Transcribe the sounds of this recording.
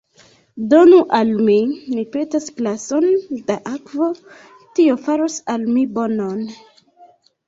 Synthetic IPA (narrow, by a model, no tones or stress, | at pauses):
do̞nuʔalmimipe̞tasklaso̞ndaʔakvo | tiofaɾosalmibo̞non